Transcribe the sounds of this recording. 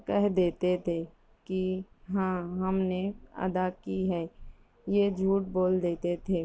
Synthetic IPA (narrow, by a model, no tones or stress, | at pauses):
kɛɦd̪eːt̪et̪ʰe | kiɦãːɦɐmneə̰d̪akiɦɛː | jed͡ʒʱuːʈ̚boːld̪eːt̪et̪ʰeː